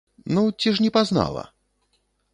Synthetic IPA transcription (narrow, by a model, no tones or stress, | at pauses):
nut͡sʲiʂnʲɛpazna̰lˠɐ̰